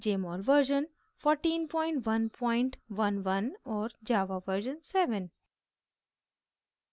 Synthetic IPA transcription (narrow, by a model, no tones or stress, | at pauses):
d͡ʒeːmɔːlʋəɾʒə̃n | fɔːɾʈĩːnpɔ̃ɪ̃ɳʈʋɐ̃npʰɔ̃ɪ̃ɳʈʋɐ̃nʋɐ̃nɔːɾd͡ʒaːʋaʋəɾʒə̃nsɛʋə̃n